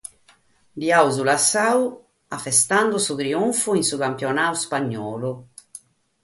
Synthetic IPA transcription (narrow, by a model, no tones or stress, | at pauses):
d̪iauzulasaːu | afɛst̪and̪usut̪ɾiuɱfuinsukampjɔnaːuspaɲːɔːlu